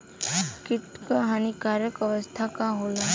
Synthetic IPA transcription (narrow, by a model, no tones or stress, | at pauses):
kɪt̪kaɦanikaːɾjəkəʋəst̪ʰakaɦoːla